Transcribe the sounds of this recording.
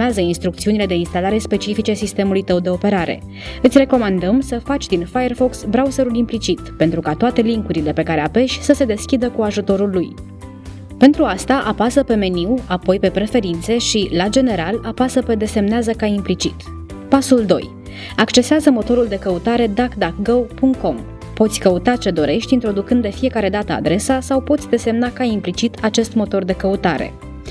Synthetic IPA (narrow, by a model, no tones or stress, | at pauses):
eazəinst̪ɾukt̪siunile̞d̪e̞inst̪alaɾe̞spe̞t͡ʃifit͡ʃesist̪e̞mulujt̪əwd̪e̞o̞pe̞ɾaɾe̞̰ | ɨt̪sʲre̞ko̞mand̪əmsəfat͡ʃʲd̪infajerfo̞ksbɾawuzeɾulimplit͡ʃit̪pent̪ɾukat̪oat̪e̞liŋkuɾile̞pe̞kaɾe̞ave̞ʃʲsəse̞d̪e̞skʲid̪əkuaʒut̪o̞ɾulːuj | pe̞nt̪ɾuast̪aʔapasəpe̞me̞niwapo̞jpe̞pɾe̞fe̞ɾint̪se̞ʃilad͡ʒe̞ne̞ɾalapasəpe̞d̪e̞se̞mneazəkaimplit͡ʃit̪ | pasuld̪o̞̰j | akt͡ʃe̞seazəmo̞t̪o̞ɾuld̪e̞kəut̪aɾe̞d̪akd̪akɡəwpuŋk̪̚ko̞m | po̞t̪sʲkəut̪at͡ʃe̞d̪o̞ɾe̞ʃt̪ʲint̪ɾo̞d̪ukɨnd̪ːefije̞kaɾe̞d̪at̪əa̰d̪ɾe̞sasawpot̪sʲd̪e̞se̞mnakaimplit͡ʃit̪ʰat͡ʃe̞st̪mo̞t̪o̞rd̪e̞kəut̪aɾe̞̰